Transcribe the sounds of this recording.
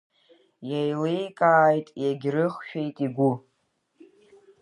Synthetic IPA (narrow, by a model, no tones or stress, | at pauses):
jajlejkʼaːjtʼjaɡʲrɨχʃᶣejtʼiɡʷu